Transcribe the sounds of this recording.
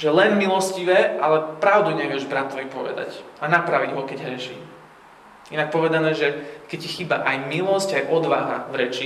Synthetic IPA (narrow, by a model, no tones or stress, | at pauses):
ʒɛlɛnmilɔsciʋɛːalɛpɾaʊd̪uɲɛʋɪɛʒbɾat̪ɔʋipɔʋɛ̰d̪a̰canapɾaʋiɟɦɔkɛɟɦɾɛʃḭː | inak̚pɔʋɛd̪anɛːʒɛkɛccːixiːba̰ʔajmilɔscajʔɔd̪ʋaɦa̰ʋɾɛt͡ʃi